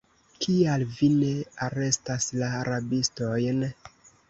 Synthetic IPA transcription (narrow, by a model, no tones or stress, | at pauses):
kialvine̞aɾe̞staslaːɾabisto̞jn